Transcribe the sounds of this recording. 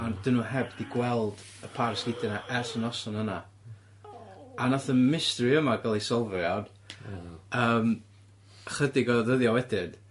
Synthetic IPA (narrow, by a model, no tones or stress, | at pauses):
and̥ɪnuɦɛbdiɡwɛlˠd̥ | əpʰarsɡ̥ɪdɛnaʔɛrsənɔsɔnəna | anaθənmɪstriəmaɡalˠisɔlˠvjan | əːm | χədɪɡɔðəðjɔwɛdɪn